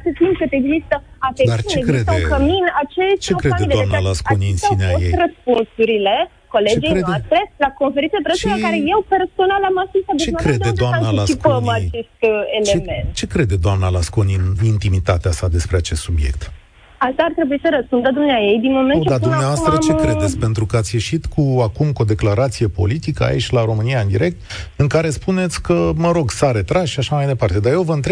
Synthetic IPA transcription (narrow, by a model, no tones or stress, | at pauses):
sət̪imkɨt̪e̞ɡzist̪əafed̪arit͡ʃekɾedt̪ekəminat͡ʃet͡ʃeokɾead̪eid̪eamnalaskoniɨnsineajej̪rəspunsuɾile̞ | ko̞le̞d͡ʒejeoast̪ɾe̞lako̞nfeɾined̪epɾesʃkaɾe̞je̞wpe̞rso̞nalamaskulst̪at̪d̪ueakɾed̪ed̪oaaanalat͡ʃikpənmat͡ʃe̞st̪elt͡ʃeeme̞nt͡ʃe̞kɾe̞d̪ed̪oamnalasko̞ninint̪imit̪at̪easad̪e̞spɾe̞at͡ʃe̞st̪subje̞̰k̚t̪ | ast̪aːrt̪ɾebujisəɾəspund̪əd̪umneajejd̪inmo̞met͡ʃd̪ad̪umneavoat̪ɾət͡ʃe̞kɾeet̪sʲpe̞nt̪ɾukəat̪sʲje̞ʃit̪kʰuakumkod̪eklaɾat̪sije̞po̞̰lit̪ikəa̰it͡ʃʲlaɾo̞mɨnijaɨnd̪iɾe̞k̚t̪ɨŋkaɾe̞spune̞t̪sʲkəməɾo̞ɡsaɾe̞t̪ɾazʃiaʃamajd̪e̞part̪e̞d̪aje̞wvəɨnt̪ɾeb